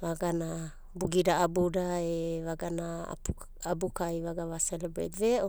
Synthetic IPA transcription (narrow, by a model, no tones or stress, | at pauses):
vaɡana | buɡidaabudaevaɡana̰ | abukajvaɡavaselebɾḛtveʔo